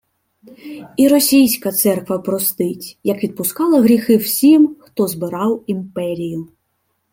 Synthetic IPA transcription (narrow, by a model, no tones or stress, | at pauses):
iɾɔsʲijsʲkɐt̪sɛrkʋɐpɾɔst̪ɪtʲjɐkʋʲid̪̚pʊskɑlˠɐɦɾʲixɪwsʲimxt̪ɔzbɪɾɑwimpɛɾʲijʊ